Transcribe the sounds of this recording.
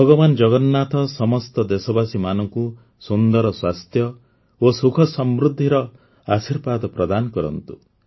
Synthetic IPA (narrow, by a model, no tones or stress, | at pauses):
bʱɔɡɔbanɔd͡ʒɔɡɔnːat̪ɔsɔmɔst̪ɔd̪esɔbasimanɔŋku | sund̪ɔɾɔswast̪ʰjɔ | osukʰɔsɔmbɾud̪ʱːiɾɔ | asiɾbad̪pɾɔd̪anɔkɔɾɔ̰nt̪u̥